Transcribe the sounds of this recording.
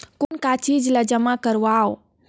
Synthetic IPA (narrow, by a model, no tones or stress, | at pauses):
konkat͡ʃiːd͡ʒlad͡ʒəmakəɾao